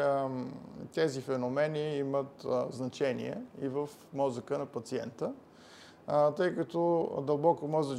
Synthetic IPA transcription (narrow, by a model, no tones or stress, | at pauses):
t̪ɛzifɛnomɛniimət̪znɐt͡ʃɛnḭɛ̰ivəf | mɔzəkənɐpɐt̪siɛnt̪ə | t̪ɤjkɐt̪ɔd̪əlˠbɔkomɔzə